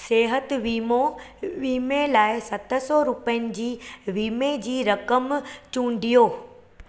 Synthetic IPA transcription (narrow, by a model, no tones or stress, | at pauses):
seːɦət̪ʋiːmoʋiːmelaːɪsɐt̪ʰə̆sɔːɾʊpəjənɪ̆d͡ʑiːʋiːmed͡ʑiːɾɐkəmt͡ɕũːɳɖijoː